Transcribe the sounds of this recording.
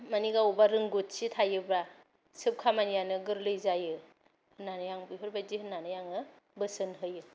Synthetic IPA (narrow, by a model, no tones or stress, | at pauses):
maniɡawbaɾɯŋɡotsitʰajɯbɾa | sɯp̚kʰamanijanɯɡɯɾlɯjzajɯ | hɯnanɯjaŋbɯɦɯɾbajdihɯnːanɯjaŋɯ | bɯsɯnɦɯjɯ